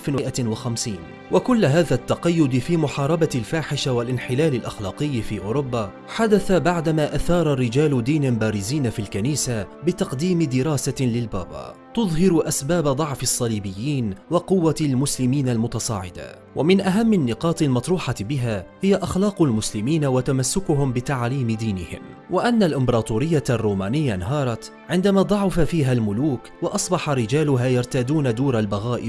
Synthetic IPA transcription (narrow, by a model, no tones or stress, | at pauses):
lfɪnwɪʔawaxamsiːn | wʔakʊlːɦaːðat̪ːɑqɑjːʊd̪fiːmʊħɑːɾˤɑbaɪlfaːħɪʃawalʔɪnħɪlaːlɪlʔaxlɑːqɨjːfiːʔʊːɾʊbːaː | ħad̪aθabaʕd̪amaːʔaθɑːɾˤɑrːɪd͡ʒaːlʊd̪iːnɪnbaːɾɪziːnafilkaniːsabɪt̪ɑqd̪iːmɪd̪ɪɾˤɑːsalɪlba̰ːba̰ːt̪ʊðˤɦɪɾʊʔasbaːbad̪ˤɑʕfɪsˤːɑliːbɪjːiːnwɑqʊwːalmʊslɪmiːnalmʊt̪ɑsˤɑ̰ːʕɪ̰d̪a̰ | wʔamɪnʔaɦamːanːɪqɑːt̪ɪlmɑt̪ˤɾuːħɑbɪɦaːhɪjaʔaxlɑːqʊlmʊslɪmiːnawat̪amasːʊkʊɦʊmbɪt̪aʕliːmɪd̪iːnɪhɪ̰m | wʔɪʔanːalʔɪmbɑɾɑːt̪ˤuːɾɪjːarˤːuːmaːnɪjːanaɦɑːɾˤɑt̪ | ʕɪnd̪amaːd̪ˤɑʕʊfafiːɦalmʊluːkwɑʔɑsˤbɑħaɾɪd͡ʒaːlʊɦaːjɑɾˤt̪aːd̪uːnad̪uːɾalbaɣaːʔɪ